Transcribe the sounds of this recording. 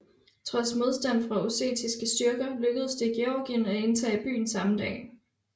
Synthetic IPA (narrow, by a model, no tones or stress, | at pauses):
t͡sʰʁɒ̽smo̝ð̞ˠsd̥æn̰fʁɑ̈ose̝̰ːt͡sʰisɡ̥əsd̥yɐɡ̥ɐløɡ̥əð̞̩ˠəsd̥e̝ɡ̥e̝ɒɡ̥iənæe̝nt͡sʰɛ̰ːib̥y̰ːn̩sɑ̈md̥ɛ̰ːn